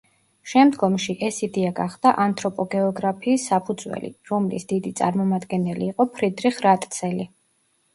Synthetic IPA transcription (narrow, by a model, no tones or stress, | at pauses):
ʃɛmd̪ɡɔmʃiʔɛsid̪ɛaɡaχd̪̥aʔant̪ʰʼɾɔpʼɔɡɛɔɡɾapʰiːsːapʰud̪zwɛ̰lḭɾɔmlḭsd̪̥id̪it̪sʼa̰ɾmɔmad̪ɡɛnɛliːqʼɔpʰɾid̪ɾiχɾat̪ʼt̪sʰɛli